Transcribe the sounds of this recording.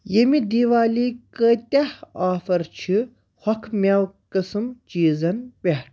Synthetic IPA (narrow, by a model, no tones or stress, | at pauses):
jemid̪iːʋaːliːkət̪ʲɐhaːfɐɾt͡ʃʰi | hɐkʰmʲawkɨsɨmt͡ʃiːzɐnbʲehʈʰ